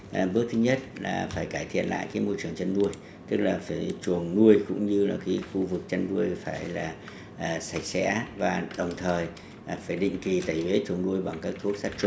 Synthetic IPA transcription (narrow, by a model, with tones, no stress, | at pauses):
ʔɓɨ˦˥ək̚t̪ʰɨ˨˦ɲə˦˥t̚laː˨˩faː˧˩jkaː˧˩jt̪ʰḭ˧˨ənla̰ː˧˨jkaː˨˦jmo˧jt͡ɕɨ˨˩əŋt͡ɕə˧nːu˧əj | t̪ɨ˦˥k̚laː˨˩faː˧˩jt͡ɕu˨˩əŋnu˧əjkʊ̰˧˥ŋ͡mɲɨ˧laː˨˩kaː˨˦xu˧vɨ˨˩k̚t͡ɕə˧nːu˧əjfaː˧˩jlaː˨˩ | ʔːsa˧˩j̚sɛ̰˧˥vaː˨˩ɗə˨˩wŋ͡mt̪ʰəː˨˩j | faː˧˩jɗḭ˧˨ŋ̟ki˨˩t̪aː˨˧˩jve˨˦t͡ɕu˨˩əŋnu˧əjɓa˨˩ŋkaː˦˥k̚t̪ʰu˦˥ək̚saː˦˥k̚t͡ɕʊ˧˦ŋ͡m